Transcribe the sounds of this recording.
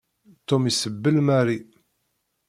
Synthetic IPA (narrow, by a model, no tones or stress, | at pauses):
t̪umisəbːəlmæɾi